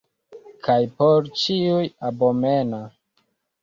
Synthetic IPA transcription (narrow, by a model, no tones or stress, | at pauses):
kʰajpoɾt͡ʃiujabomena